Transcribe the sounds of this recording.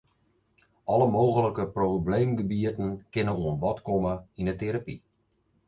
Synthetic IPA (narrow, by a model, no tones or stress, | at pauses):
ʔɔləmowɣələkəprobleːmɡəbiətən̩kɪnəuənʋɔtkɔməindəteɾapi